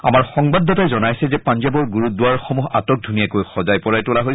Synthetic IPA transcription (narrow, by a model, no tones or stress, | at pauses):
a̰maɹxɔŋbadʱːɔtajzɔnajsɛzɛpanzabɔɹɡuɹut̚duaɹxɔmuɦa̰tɔk̚dʱunijakojxɔzajpɔɹajtʊlaɦoj